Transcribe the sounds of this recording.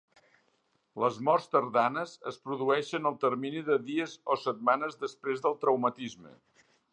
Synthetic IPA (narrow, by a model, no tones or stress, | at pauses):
ləzmɔrst̪əɾðanəzəspɾuðuɛʃənəlˠt̪ərminiðəðiəzosət̪̚manəzðəspɾezðəlˠt̪ɾəwmət̪izmə̰